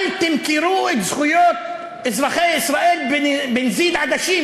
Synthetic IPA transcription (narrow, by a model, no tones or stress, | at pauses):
lt̪ɪmkɪɾuːʔɪt̪zxʊjoːt̪ | ʔɪzɾˤɑxeːʔɪsɾˤɑʔiːlbbɪnziːd̪ʕad̪aʃiːn